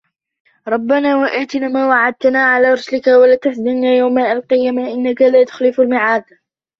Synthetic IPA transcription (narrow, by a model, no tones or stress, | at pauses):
ɾˤɑbːanaːwaʔaːt̪ɪnamaːwaʕad̪̚t̪anaːʕalaːɾˤʊslɪkawalat̪asd̪ɪnnaːjawmaʔalqɨjamaʔɪnːakalaːt̪ʊ̥xlɪfalmɪʕaːd̪